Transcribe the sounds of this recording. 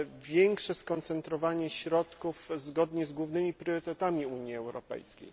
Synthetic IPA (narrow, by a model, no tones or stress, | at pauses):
vʲjɛŋkʂɛskɔnt̪sɛnt̪ɾɔvaɲɛɕɾɔt̪kufzɡɔd̪ɲɛzɡwuvnɘmʲipɾʲjɔɾɘt̪ɛt̪amʲiuɲjiɛwɾɔ̰pɛ̰jskʲḛj